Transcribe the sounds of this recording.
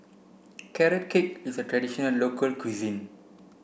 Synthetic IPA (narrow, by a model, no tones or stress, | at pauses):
kɛɾɛt̚kʰekisətɹɛdiʃɔnəlːokʰəlkʰwizĩn